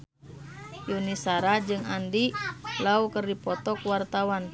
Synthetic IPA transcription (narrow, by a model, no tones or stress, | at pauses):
junisaɾad͡ʒɨŋandilaukərdipɔt̪ɔkuwart̪awan